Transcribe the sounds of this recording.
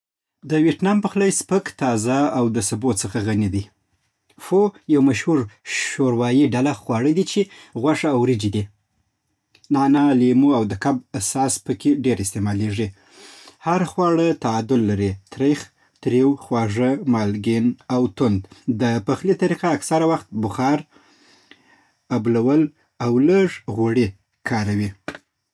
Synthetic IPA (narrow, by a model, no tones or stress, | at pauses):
d̪əwieʈnɑmpəxlajspəkt̪ɑzaawd̪əsabot̪səxaɣanid̪i | fojawmaʃhuɾʃoɾwɑjiɖalaxwɑɽəd̪it͡ʃeɣwaʂaːwɾid͡ʒid̪i | nɑnɑlimuawd̪əkabasɑspəkeɖeɾɪst̪emɑleʐi | haɾxwɑɽət̪aad̪ʊlːaɾit̪ɾex | t̪ɾewxwɑʐəmɑlɡinawt̪ʊnd̪d̪əpaxlit̪aɾiqaːksaɾawaxt̪̚bʊxɑɾ | ablawəl | awləʐɣoɽe | kʰɑɾawi